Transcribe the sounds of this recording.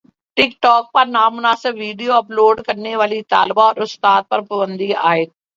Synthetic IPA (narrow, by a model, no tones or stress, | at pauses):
ʈɪkʈɔːk̚pɐɾnaːmʊnaːsɪbːiːɖijoɐploːɖkɐɾneʋaːlit̪a̰ːlbaɔːɾʊst̪aːt̪̚pɐɾpɐbənd̪ia̰ːet̪